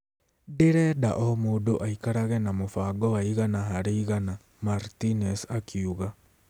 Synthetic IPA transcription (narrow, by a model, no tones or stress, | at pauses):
deɾɛda̰ʔɔmoːdoʔaikaɾaɣɛnamofaːɡɔwaiɣanaɦaɾeiɣana | maɾtinɛsakʰiuɣa